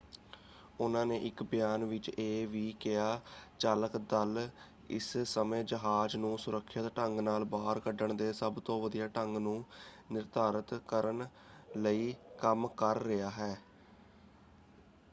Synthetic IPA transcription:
ʊnãːnẽːʔɪkbɪjaːnʋɪt͡ʃeːʋiːkɪaːt͡ʃaːləkd̪əl | ɪ̰ssəmẽːd͡ʒəɦaːd͡ʒnũːsʊɾəkʰːət̪ʈəŋɡnaːlbaːəɾkəɖəɳd̪eːsəbt̪õːʋəd̪ijaːʈəŋɡnũː | nɪɾd̪aːɾət̪kəɾən | ləiːkəmkəɾːɪaːɦɛː

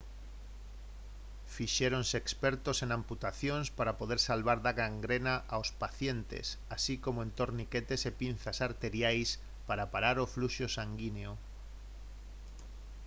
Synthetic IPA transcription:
fiʃeɾonseːkspeɾt̪oseŋãmput̪aθjonspaɾapoð̞eɾsalβaɾðaɣaŋɡɾenaʔaospaθjent̪ḛs | asikomoent̪oɾniket̪esepin̟θasaɾt̪eɾjajs | paɾapaɾaɾofluʃosaŋɡineo

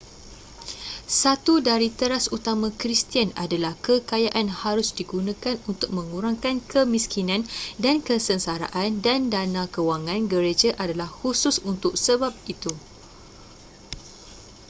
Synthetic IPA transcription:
sat̪udaɾit̪əɾasut̪amãkɾist̪iana̰dalahkəkajaʔanhaɾʊsdiɡunãkanunt̪ʊk̚mə̃ŋuɾaŋkankəmiskinãndankəsənsaɾa̰ʔandandanãkəwaŋãnɡəɾed͡ʒaʔadalahhusʊsunt̪ʊk̚səbap̚it̪u

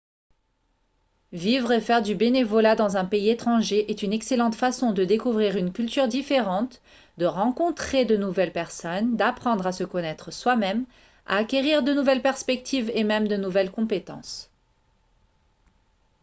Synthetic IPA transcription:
vivʁefɛʁd̪ybenevɔlad̪ɑ̃zɛ̃peiet̪χɑ̃ʒeʔɛt̪ynɛkselɑ̃t̪fasɔ̃d̪əd̪ekuvʁiʁynkʲylt̪yʁd̪ifeʁɑ̃t̪ | d̪əʁɑ̃kɔ̃t̪χed̪ənuvɛlpɛʁsɔnd̪apχɑ̃d̪ʁasəkɔnɛt̪χəswamɛm | a̰ːkʲeʁiʁd̪ənuvɛlpɛʁspɛk̚t̪ʰivemɛmd̪ənuvɛlkɔ̃pet̪ɑ̰̃s

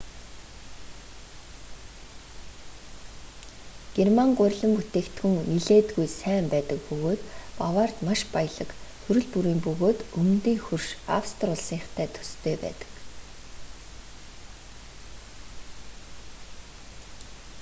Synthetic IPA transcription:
ɡ̥ermaŋɢʊrʲɮə̆mput̪eːkt̪ɡɵ̆ŋniɮeːt̪ɡujsæːmpæːt̪ə̆k̚pɵɣoːt̪pawaːrt̪maʃpajɮə̆kxʰɵɾɵ̆ɮpuɾiːmpɵɣoːt̪ɵmnt̪iːŋxurʃa̰wst̪rʊɮsiːχt̪ʰæːt̪ʰɵ̥st̪ʰeːpæ̰ːt̪ə̥̆k

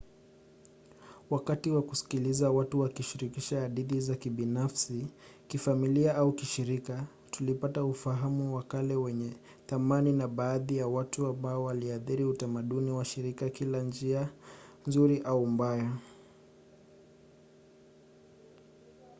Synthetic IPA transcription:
wakatiwakusi̥kilizawatuwakiʃiɾikiʃaːɗiɗizakiɓinafsi | kifamiliaʔaukiʃiɾika | tulipataufaɦamuwakalɛwɛɲɛ | θamaninaɓaːðijawatuambaɔwaliaθiɾiutamaɗuniwaʃiɾikakiland͡ʒianzuɾiʔaumbaja

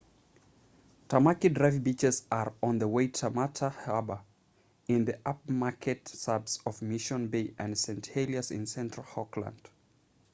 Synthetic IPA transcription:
tʰamakidɹaɪfbit͡ʃɪzəɹə̃nðəweɪtʰəmatʰəhabə | ɪ̃nðiʔap̚makʰɛtsabsɔvmɪʃə̃nbeɪʔɨ̃nsɛ̃ntelˠiəsɪ̰̃nsɛ̃ntɹ̥əlˠhɔklə̰̃nd̥

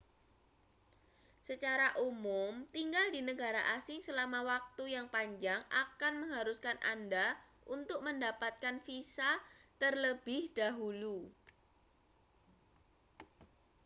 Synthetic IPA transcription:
sət͡ʃaɾaʔumʊmt̪iŋɡaldinəɡaɾaʔasɪŋsəlamawak̚t̪ujaŋpaɲd͡ʒaŋakanməŋɦaɾuskanʔa̰nda | ʔunt̪ʊk̚məndapat̪̚kanfisat̪ərləb̥ɪhd̥aɦulu

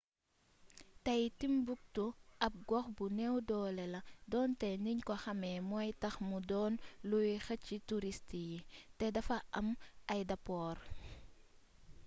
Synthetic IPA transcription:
tɐjtimbuk̚tuʔɐp̚ɡɔxbunɛwdɔːlɛlɐdɔːntɛniɲkɔxɐmɛmɔːjtɐxmudɔːnlujixɐt͡ʃːituɾistijitɛdɐfɐʔɐmɐjdɐpɔːr

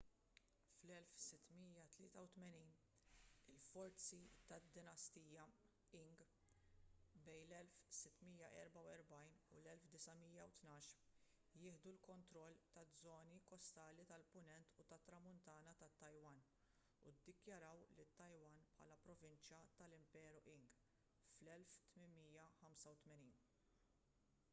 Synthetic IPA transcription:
flɛlfsɪt̪ːmiːjɐt̪lɪ̰ːt̪ɐwt̪mɛniːn | ɪlfɔɾt͡sit̪ɐd̪ːɪnɐst̪iːjɐ | ɪŋɡ | bɛjnlɛlfsɪt̪ːmiːjɐʔɛɾbɐwɛɾbɐjnṵlɛlfd̪ɪsɐmiːjɐwt̪nɐːʃ | jɪːħd̪ulkɔnt̪ɾɔlːt̪ɐd͡zːɔːnikɔst̪ɐːlit̪ɐlpʊnɛnt̪ut̪ɐt̪ːɾɐmʊnt̪ɐːnɐt̪ɐt̪ːɐjwɐn | ṵd̪ːɪkjɐɾɐwlɪt̪ːɐjwɐnpħɐ̰ːlɐpɾɔvɪnt͡ʃjɐt̪ɐlɪmpɛːɾuʔɪŋɡ | flɛlft̪mɪnmiːjɐħɐmsɐwt̪mɛniːn

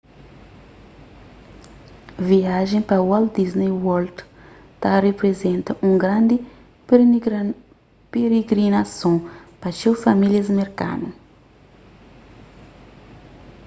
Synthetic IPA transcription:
viaʒẽj̃pɐwald̪iznejwɔld̪ | t̪arepɾezẽnt̪ɐʔũɡɾãnd̪ɪ | peɾeɡɾinasõpɐt͡ʃesfamiljɐzmeɾka̰nu

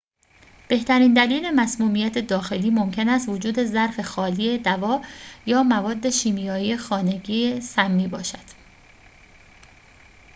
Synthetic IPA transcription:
b̥e̞ht̪ʰæɾiːnd̪æliːle̞mæsmuːmijæt̪ʰe̞d̪ɒːxe̞liːmo̞mcʰe̞næst̪vod͡ʒuːd̪e̞zæɾfe̞xɒːliːe̞d̪ævɒːjɒːmævɒːd̪ːe̞ʃiːmijɒːije̞xɒːne̞ɟiːesæmːiːbɒːʃæd̪̥

